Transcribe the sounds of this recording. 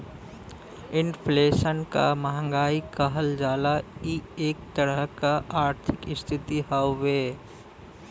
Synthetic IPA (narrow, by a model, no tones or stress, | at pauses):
ɪnpʰleːʃənka̰məɦə̃ŋɡaːikəɦəld͡ʒaːlaieːk̚t̪əɾəɦkaʔaːɾt̪ʰɪkɪst̪ʰɪt̪iɦaːeː